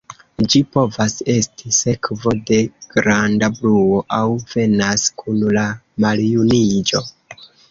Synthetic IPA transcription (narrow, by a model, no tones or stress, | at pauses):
d͡ʒipo̞vase̞stise̞kvo̞de̞ɡ̥ɾandabluo̞ʔawv̥e̞naskʰunla | maljunid͡ʒo̞